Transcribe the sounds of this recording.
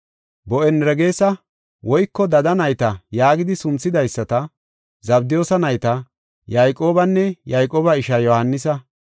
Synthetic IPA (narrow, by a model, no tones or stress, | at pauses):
bɔʔɛnɾɛɡe̞ːsɐ | wɔjkːɔd̪ɐd̪ɐnɐjt̪ɐjaːɡɪd̪ɪsʊnt͡sːɪd̪ɐjsːɐt̪ɐ | zɐbd̪ɪjo̞ːsɐnɐjt̪ɐ | jɐjkʼo̞ːbɐnːɛjɐjkʼoːbɐɪʃɐjɔhɐnːɪsɐ